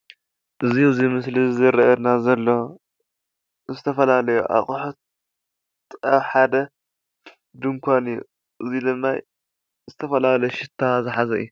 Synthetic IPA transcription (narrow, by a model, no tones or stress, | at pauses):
ʔɨzizimɨslizɨɾɐʔɐd̪nazɐlːo̞ | zɨt̪ʰɐfɐlalɐjṵʔa̰βχʼuħut̪̚ʼ | ʔɐβħad̪ɐ | d̪ɨŋkʰʷanɨjːṵ | ʔɨzid̪ɨmːaj | zɨt̪ʰɐfɐlalɐjʃɪt̪ʰːazɨħazɐʔɨ̰ju